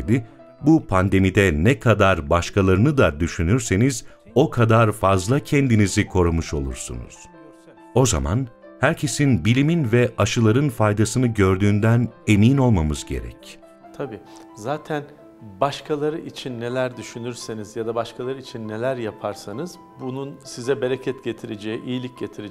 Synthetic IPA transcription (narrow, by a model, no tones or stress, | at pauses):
d̪ɪ | bupʰand̪e̞mid̪ɛnɛkʰad̪aɾbaʃkʰalˠaɾɯnɯd̪ad̪yʃynyɾse̞niz | o̞kʰad̪aɾfazlˠacʰɛnd̪inizikʰo̞ɾumuʃo̞lˠṵɾsṵnṵz̥ | o̞za̰ma̰nhæɾcʰe̞sinbilʲiminvɛʔaʃɯlˠaɾɯnfajd̪asɯnɯɟø̞ɾd̪yːnd̪æne̞miːno̞lˠmamɯzɟḛɾɛ̰c | t̪ʰabiː | zaːt̪ʰæn | baʃkʰalˠaɾɯʔit͡ʃʰinːelʲæɾd̪yʃynyɾsenizjad̪abaʃkʰalˠaɾɯit͡ʃʰinːelʲæɾjapʰaɾsanɯz | bununsizɛbeɾecʰɛt̪ɟet̪ʰiɾed͡ʒeiʔijilʲic̚ɟet̪ʰiɾe